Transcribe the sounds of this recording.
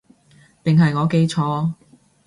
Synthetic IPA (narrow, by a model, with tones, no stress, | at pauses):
pɪ˨ŋɦɐ˨jŋɔː˨˧˥ke˧˥jt͡ʃʰɔː˨˧